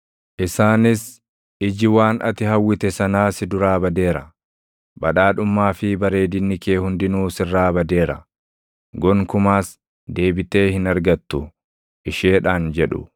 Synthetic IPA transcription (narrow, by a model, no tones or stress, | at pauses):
ʔɪsaːnɪs | ɪd͡ʒɪwaːnʔɐ̰t̪ɪhɐwːɪt̪ɛsɐnaːsɪd̪ʊɾaːbɐd̪e̞ːɾɐ̰ | bɐᶑaːᶑʊmːaːfɪbɐɾe̞ːd̪ɪnːɪke̞ːhʊnd̪ɪnuːsɪrːaːbɐd̪e̞ːɾɐ̰ | ɡɔŋkʊmaːs | d̪e̞ːbɪt̪e̞ːhɪnɐɾɡɐt̪ːʊ | ʔɪʃeːᶑaːnd͡ʒɛᶑʊ̰